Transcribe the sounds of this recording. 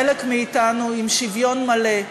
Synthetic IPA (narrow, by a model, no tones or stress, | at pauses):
elekmiːtanuimʃivjo̞nmale